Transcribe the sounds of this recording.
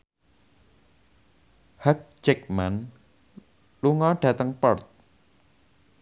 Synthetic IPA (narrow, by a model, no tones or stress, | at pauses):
hak̚d͡ʒɛk̚man | luŋɔɖ̥ä̤t̪əŋpɔrt̪̚